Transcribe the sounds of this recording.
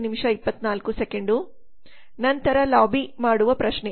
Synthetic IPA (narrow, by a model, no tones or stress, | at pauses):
nimiʂɐipːɐt̪naːlkusekeɳɖu | nɐnt̪ɐɾɐlaːbimaːɽuʋɐpɾɐʃɳe